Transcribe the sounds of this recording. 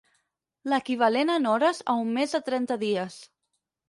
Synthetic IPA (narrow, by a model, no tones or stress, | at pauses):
ləkiβ̞alenənɔɾəzə̰umːezðət̪ɾɛnt̪əðiəs